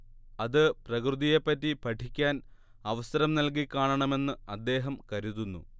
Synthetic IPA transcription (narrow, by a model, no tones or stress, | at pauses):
ɐðɨprɐkrɨðije̞pːɐtːipɐʈʰikʲːaːn | ɐʋɐsɐɾɐmnɐlk̬ikʲːaːɳɐɳɐme̞nːɨɐd̪ːe̞ːɦɐmkɐɾuðunːu